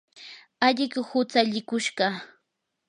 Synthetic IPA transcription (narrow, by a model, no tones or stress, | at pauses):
aʎɪkhʊt͡saʎɪkʊʃɢɑ